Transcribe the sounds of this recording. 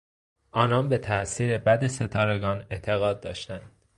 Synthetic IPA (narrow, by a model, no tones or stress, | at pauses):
ʔɒːnɒːnbe̞t̪ʰæʔsiːɾe̞bæd̪ese̞t̪ʰɒːɾe̞ɡɒːne̞t̪ʰe̞ɣɒːd̪̚ːɒ̰ːʃt̪ænd̪̥